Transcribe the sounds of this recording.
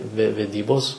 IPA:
ʋʲɛ ʋʲɛˈdʲiːboːs

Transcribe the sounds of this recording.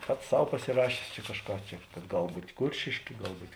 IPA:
ˈpɐts ˈsɐʊ pɐsʲɪˈrɑːʃʲeːs t͡ʃʲɛ kɐʃˈkɑː ˈt͡ʃʲɛ kɐt ˈɡɐlˠ ˈbuːtʲ ˈkʊrʲʃʲeːʃʲkʲeː ˈɡɐlˠ ˈbuːtʲ

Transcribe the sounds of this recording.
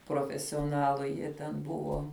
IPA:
proːfʲɛsʲoːˈnɑːlˠʊ ˈjiɛ tʲɛn ˈbʊʋoː

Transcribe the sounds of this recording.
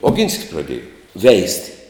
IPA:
oːˈɡʲɪnʲsʲkʲɪs prɐˈdʲeːjɛ ˈʋʲɛɪsʲtʲɪ

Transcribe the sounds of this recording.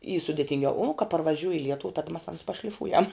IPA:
iː sʊdʲɛtʲɪŋʲˈɡʲɛʊ uː kɐ pɐrʋɐˈʒʲuːj ɪ ˈlʲiɛtʊw tɐt mɐs ɐns pɐʃʲlʲɪˈfuːjɛm

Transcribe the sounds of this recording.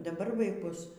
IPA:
dɐˈbɐr ʋɐɪˈkʊs

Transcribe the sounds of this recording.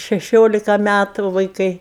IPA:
ʃʲɛˈʃʲoːlʲɪkɐ ˈmʲætʊ ʋɐɪˈkɐɪ

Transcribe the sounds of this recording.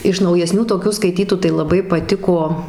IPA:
ɪʃ nɐʊjɛˈsʲnʲuː toːˈkʲuː skɐɪˈtʲiːtuː tɐɪ lˠɐˈbɐɪ pɐˈtʲɪkoː

